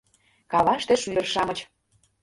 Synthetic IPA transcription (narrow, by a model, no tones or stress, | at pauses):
kɑβɑʃt̪ĕʃyə̆rʃɑmə̆t͡ɕ